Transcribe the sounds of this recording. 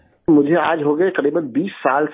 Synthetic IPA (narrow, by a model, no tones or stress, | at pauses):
mʊd͡ʒʱea̰ːd͡ʒɦoɡɐekɐɾiːbənbiːsːaːls